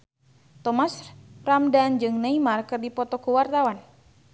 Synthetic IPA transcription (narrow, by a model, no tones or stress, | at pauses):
t̪ɔmasramdand͡ʒɨŋnaimarkɨrdipɔt̪ɔkuwart̪awan